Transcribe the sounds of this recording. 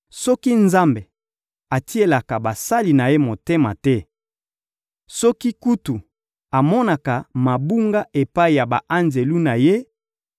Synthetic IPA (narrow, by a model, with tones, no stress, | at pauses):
sɔ˦ki˦nza˦mbe˨ | a˨ti˦e˨la˨ka˨ba˨sa˦li˨na˨je˦mo˨te˦ma̰˨tɛ˦ | sɔ˦ki˦ku˦tu˨ | a˨mɔ˦na˨ka˨ma˨bu˦ŋɡa˦ʔe˨pa˦i˨ja˨ba˨ʔa˦nze˨lu˦na˨je˦